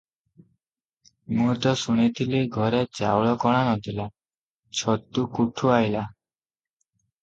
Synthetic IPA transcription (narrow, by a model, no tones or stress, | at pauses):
mut̪ɔsuñit̪ʰiliɡʱɔɾet͡ɕa̰wɭɔkɔɽ̃anɔd̪ila | t͡ɕʰɔt̪ːukuʈʰuajla